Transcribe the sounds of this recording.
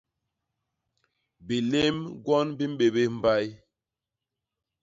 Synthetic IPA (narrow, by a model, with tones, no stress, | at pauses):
bi˨le˦mɡwɔ˦nbi˦m̩˦ɓe˨be˦m̩˦˨ba˦j